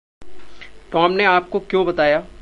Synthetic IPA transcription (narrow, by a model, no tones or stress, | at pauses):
ʈɔːmneaːp̚kokjõːbɐt̪aːjaː